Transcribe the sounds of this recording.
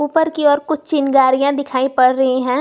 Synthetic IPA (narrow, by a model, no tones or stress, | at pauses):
uːpəɾkiɔːɾkʊt͡ʃʰt͡ʃɪnɡaːɾijãd̪ɪkʰaːipɐɽɾɐɦeɦɛ̃ː